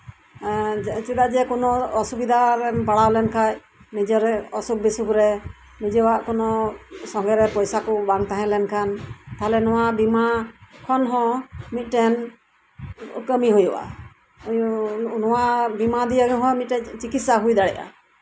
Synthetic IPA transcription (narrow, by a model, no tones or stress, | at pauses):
t͡ʃud̪ad͡ʒɛkɔnɔɔsubid̪ʱaɾɛbaɽawlɛnkʰaj | nid͡ʒɔɾɛɔsuk̚bisukɾɛ | nid͡ʒɔwaʔkɔnɔsɔŋɡɛɾɛpɔjsakɔbaŋt̪aɦɛ̃lɛnkʰant̪aɦɛlɛnɔwabimakʰɔnɦɔ̃mit̪̚ˀʈɛn | kəmiɦujuʔa̰ | jnɔwabimad̪ijaɡɦɔ̃mit̪̚ʈɛt͡ʃikit̪̚saɦujd̪aɽɛjʔa̰